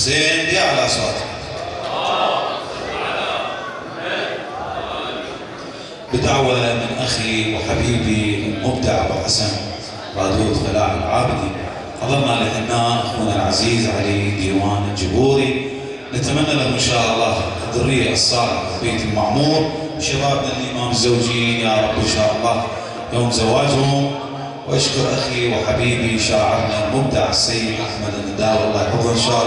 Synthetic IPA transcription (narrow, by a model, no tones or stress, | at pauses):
seːnd̪iʕalaʔaswaːt̪ | bɪd̪awalamɪnʔaxiwħabiːbimɪnmʊbd̪aʕbɪ̰ħasan | ɾˤɑːd̪uːt̪falaːħɪ̰lʕaːbɪd̪i | ħɑðˤɑɾˤnalihanːaːʔakuːnɪlʕaziːzʕaleːd̪iːwaːnld͡ʒʊbuːɾi | nat̪amanːalawʔɪnʃaːʔɑlˤːɑːʔad̪ʊrijːaʔsˤːɑːlɪʕlbeːt̪ɪlmaʕmuːɾ | bɪʃːabaːbɪlʔɪmaːmɪzːawd͡ʒijaːɾˤɑbːɪnʃaːʔɑlˤːɑː | joːmzawaːd͡ʒhʊm | wʔaʃkʊɾˤʔaxiwɪħabiːbiʃaːʕɪ̰ɾˤnalmʊb̚d̪aʕasːajːɪd̪ʔaħmad̪ʔɪnːad̪aːwɑlˤːɑːjħʊðːnʃaːʔ